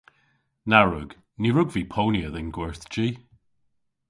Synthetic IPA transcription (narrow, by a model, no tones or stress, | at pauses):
naɹʉɡ̥ | niɹʉɡvipʰownjəðɪnɡwəɹθd͡ʒi